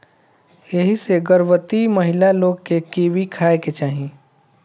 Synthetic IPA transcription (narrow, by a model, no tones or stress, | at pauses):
jɐɦiseɡəɾʋət̪imɐɦɪlaloːɡ̚kekeːʋikʰaːeket͡ʃaːɦĩ